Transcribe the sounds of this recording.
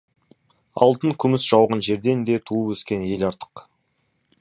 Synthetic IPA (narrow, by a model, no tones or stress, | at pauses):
ɑ̰lˠt̪əŋkʲʰʏmɪsʒ̥ɑwʁənʒe̞ɾd̪e̞nd̪e̞t̪ʰuəpwɵskʲe̞nje̞lɑɾt̪ə̥q